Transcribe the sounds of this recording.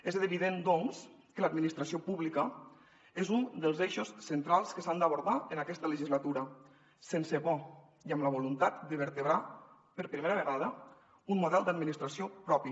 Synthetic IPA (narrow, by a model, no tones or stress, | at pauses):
ezβiðend̪ɔŋs | kəlad̪minist̪ɾasiopuβlikə | ezund̪əlˠzeʃusːent̪ɾalˠskəsand̪əβuɾðaənakɛst̪ələʒizlat̪uɾə | sensəβɔ | iəmləβ̞ulunt̪at̪̚d̪əβəɾt̪əβɾa | pəɾpɾimeɾəβəɣaðə | unmuðɛlˠd̪ad̪minist̪ɾasiopɾɔpi